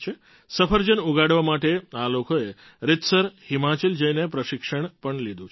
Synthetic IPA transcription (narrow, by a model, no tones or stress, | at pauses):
t͡ʃʰe | səpʰəɾd͡ʒənuɡaɽʋamaʈealokoe | ɾɪt̪səɾhimat͡ʃəld͡ʒəjnepɾəʃikʂəɳpəɳlid̪ũt͡ʃʰ